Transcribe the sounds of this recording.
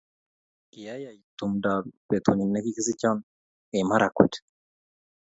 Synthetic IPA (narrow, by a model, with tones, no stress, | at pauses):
i˨ja˦ja˨i˨t̪u˨m˨da˨be˨t̪ʰu˨ni˨ne˦ki˦ki˦zi˦ca˦n | e˨ma˦ɾa˨kṵ˨t